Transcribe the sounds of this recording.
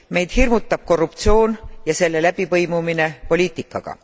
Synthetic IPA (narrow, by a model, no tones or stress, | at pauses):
me̞jd̪̥hirmut̪ːˑɑb̥̚ko̞rːup̚t̪sio̞ːnjɑse̞lːe̞læb̥ivɤjmumine̞po̞lʲiːt̪ːˑikːˑɑ̰ɡ̥ɑ̰